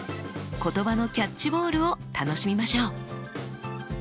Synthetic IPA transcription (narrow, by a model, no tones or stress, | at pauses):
ko̞t̪o̞bano̞kʲat͡ɕt͡ɕːibo̞ːɾɯ̟o̞t̪ano̞ɕimʲimaɕo̞ː